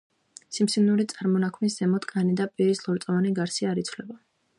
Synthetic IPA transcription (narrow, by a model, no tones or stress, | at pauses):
simsinuɾit̪sʼaɾmɔnakʰmisz̥ɛmɔt̪ʼkʼanid̪apʼiɾislˠɔɾt̪sʼɔvaniɡaɾsiaɾit̪sʰvlɛba